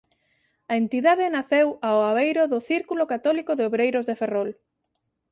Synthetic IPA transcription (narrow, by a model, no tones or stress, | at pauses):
ɐent̪iðaðɪnaθewaoaβejɾʊðʊθiɾkulʊkat̪ɔlikʊðɪoβɾejɾʊzðeferɔl